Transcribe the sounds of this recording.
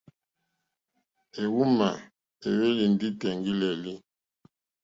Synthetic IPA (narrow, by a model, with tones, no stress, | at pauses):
e˨wu˦ma˨ | e˨we˦li˨ndi˦tɛ˨ŋɡi˦lɛ˨li˦